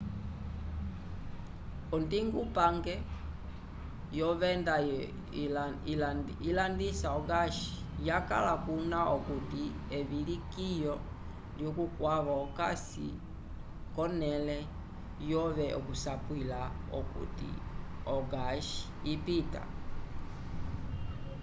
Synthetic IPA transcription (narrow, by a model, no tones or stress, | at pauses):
ɔndiŋɡupaŋɡɛ | jɔβɛnda | ilandisaɔɡaʃi̥ | jaka̰lakunaɔkuti | ɛβilikijɔ | ljɔkukwaβaɔka̰sḭ | kɔnɛlɛ | jɔβɛʔɔkusapwilaɔ̰kṵtḭɔɡaʃi̥ːpita̰